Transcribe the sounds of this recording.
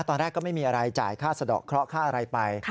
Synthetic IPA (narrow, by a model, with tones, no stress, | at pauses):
t̪ɔː˧nɾɛː˥˩kːɔ˥˩ma˥˩jmiː˧ʔa˧ɾa˧jt͡ɕa̰ː˨˩jkʰaː˥˩sa˧dṵ˨˩kʰːɾɔ˦˥kʰaː˥˩a˧ɾa˧jpa˧j